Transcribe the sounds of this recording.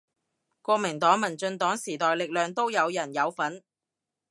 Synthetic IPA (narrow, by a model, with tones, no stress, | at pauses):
kʷɔː˧mɪ˨˩ŋt̪ɔː˨˥ŋmɐ˨˩nt͡ʃɵ˧nt̪ɔː˨˥ŋsiː˨˩t̪ɔː˨jlɪ˨k̚lœː˨ŋt̪o˥wjɐ˨˧wjɐ˨˩njɐ˨˧wfɐ˨˥n